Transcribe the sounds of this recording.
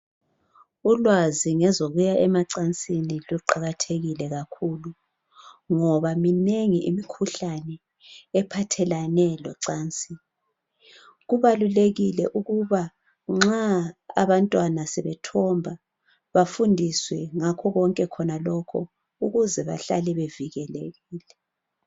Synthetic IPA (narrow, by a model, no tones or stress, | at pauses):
ulwaziŋɛzoɣujaɛmaǀant͡sʼiniluǃaɣatʰeɣilɛɣakʰulu | ŋɔβamineŋiʔimikʰuɬanɛː | pʰatʰɛlanɛlɔ̰ǀaːnt͡sʼi | ɣuβaluleɣilɛʔuɣuβa | ŋ͡ǁaa̰βantʼwanasɛβɛtʰɔmbʱa | βafundʱiswɛŋakʰɔɣɔŋkʼɛkʰɔnalɔkʰɔ | uɣuzɛβa̰ɬa̰lɛβeviɣɛlḛɣiːlɛ